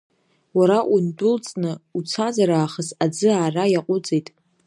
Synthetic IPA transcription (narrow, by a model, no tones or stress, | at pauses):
waɾaʔundʊlt͡sʼnɨut͡sʰazaɾaːχəsad͡zɨaːrajaqʷʼʊt͡sʼejtʼ